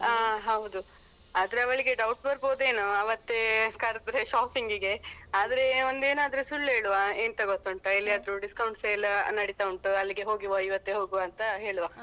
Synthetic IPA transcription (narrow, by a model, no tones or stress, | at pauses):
aɦɐwud̪u | aːd̪ɐɾeɐʋɐɭiɡe̞ɖɐwʈbɐɾboːd̪e̞ːnoɐʋɐt̪ːe̞kɐɾd̪ɾeʃaːpiŋɡiɡe̞aːd̪ɐɾe̞ond̪eːnaːd̪ɐɾusuɭːɦeːɭuʋaeːnt̪ɐɡot̪ːɐɳʈɐilːiɐːd̪ɐɾuɖiskɐwɳʈselːɐnɐɽit̪ɐuɳʈuɐlːiɡe̞ɦo̞ːɡiʋɐiʋɐt̪ːeɦoːɡuʋaɐnt̪ɐɦe̞ːɭuʋaː